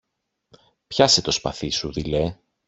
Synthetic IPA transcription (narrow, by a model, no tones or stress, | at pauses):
pçɐset̪o̞spɐ̰θisuðile